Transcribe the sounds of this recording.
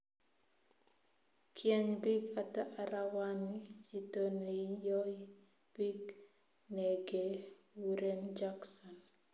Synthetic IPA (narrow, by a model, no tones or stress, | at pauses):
kʰjɛɲbiɡataʔaɾawanid͡ʒitoneijɔ | b̥iɡ | neɡe | wuɾend͡ʒaksɔn